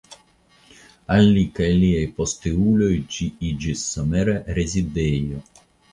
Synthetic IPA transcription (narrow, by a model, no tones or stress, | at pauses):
alːikɛliejpɔst̪euːlojd͡ʒiid͡ʒisːɔmeɾeɾezid̪ejo